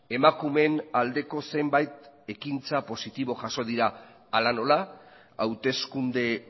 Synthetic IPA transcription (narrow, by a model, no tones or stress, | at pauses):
e̞makume̞nald̪e̞ko̞se̞mbajt̪e̞kint͡sapo̞sit̪iβ̞o̞ʝaso̞ð̞iɾaː | lano̞la | awt̪e̞skund̪e̞